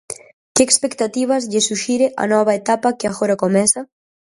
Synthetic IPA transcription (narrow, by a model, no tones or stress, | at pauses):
keekspekt̪at̪iβ̞ɐzʎesuʃiɾeʔa̰nɔβɐet̪apɐkɪaɣoɾɐkomɛsɐ